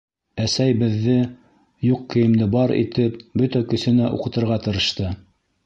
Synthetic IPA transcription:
æsæjbɘ̆ðːɘ | juq̚kĭjɘ̆md̪ɘbɑɾḭt̪ɘpbɵt̪ækɵ̆sɵ̆næʔṵqɤ̆t̪ɤ̆ɾʁɑt̪ɤ̆ɾɤ̆ʃt̪ɤ

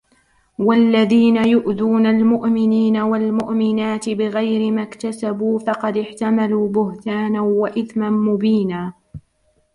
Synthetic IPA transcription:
walːaðiːnajʊʔðuːnalmʊʔmɪniːnawalmʊʔmɪnaːt̪ɪbɪɣajɾɪmakt̪asabuːfɑqɑd̪ɪħt̪amaluːbʊht̪aːnawaʔɪθmanmʊbiːnaː

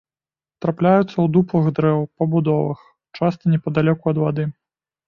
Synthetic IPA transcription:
t̪ɾaplʲajut̪sːɐwd̪uplˠɨɣd̪ɾɛwpɐbud̪ɔvɨ̰x | t͡ʂast̪ɐnʲɛpɐd̪alʲɔkuɐd̪vad̪ɨ

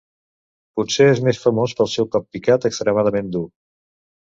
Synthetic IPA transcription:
putseezmesfəmospəlˠsɛwkɔppikat̪əkst̪ɾəmaðəmend̪u

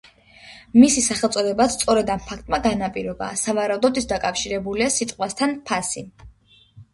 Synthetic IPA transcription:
misisaχɛlˠt̪sʼɔd̪ɛbast̪sʼɔɾɛd̪ampʰakʰt̪ʼmaɡanapʼiɾɛba̰savaɾaud̪ɔd̪it̪ʰd̪akʼafʃiɾɛbuliasit̪ʼqʼwast̪ʰanpʰasi

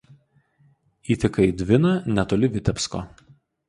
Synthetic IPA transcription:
iːt̪ʲɛkɐɪd̪ʲʋʲɪnɐnʲɛt̪oːlʲɪʋʲɪt̪ʲɛpʲsko̰ː

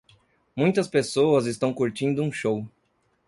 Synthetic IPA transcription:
mũj̃t̪ɐspesoɐzɪst̪ɐ̃w̃kuɾt͡ʃĩnd̪ʊũʃow

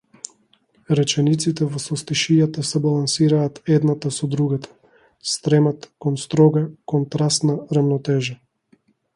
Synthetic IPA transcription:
ɾɛt͡ʃɛnit̪sit̪ɛvɔsɔst̪iʃijat̪asɛbalˠansiɾaːt̪ɛd̪nat̪asɔd̪ɾuɡat̪ʰḁ | st̪ɾɛmat̪kɔnst̪ɾɔɡakɔnt̪ɾast̪naɾamnɔt̪ɛʒa

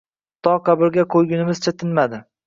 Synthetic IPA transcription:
t̪ʰɒqɑbɪɾɡʲaqʰojɡʲɪnɪmɪz̥t͡ʃʰat̪ʰɪnmad̪ɪ

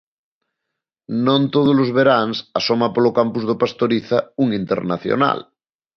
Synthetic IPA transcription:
nõnt̪oð̞ozlozβ̞eɾaŋsasomapolokampuzðopast̪oɾiθauŋint̪eɾnaθjo̰na̰l

